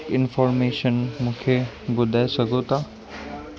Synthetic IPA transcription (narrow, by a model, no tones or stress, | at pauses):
kɪnfɔːɾmeːʃənmũːkʰe | bʊd̪ʱaːesɐɡʱot̪ʰaː